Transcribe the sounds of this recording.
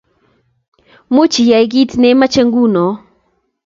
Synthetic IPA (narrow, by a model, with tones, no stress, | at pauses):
mu˦t͡ʃi˨ja˨i˦ɣi˦tnɛ˦ma˦t͡ʃɛ˦ŋɡu˦nɔ˨